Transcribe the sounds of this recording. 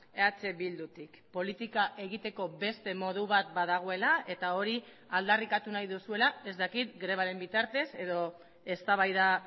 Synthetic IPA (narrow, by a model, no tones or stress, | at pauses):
eat͡se̞βild̪ut̪ikpo̞lit̪ikaʔe̞ɣit̪e̞ko̞be̞st̪e̞mo̞ð̞uβ̞at̪̚baðaɣ̞o̞e̞lae̞t̪ao̞ɾi | ald̪arikat̪unajðusue̞lae̞zd̪akit̪ɡɾe̞β̞aɾe̞mbit̪aɾt̪e̞se̞ðo̞ | e̞st̪aβajða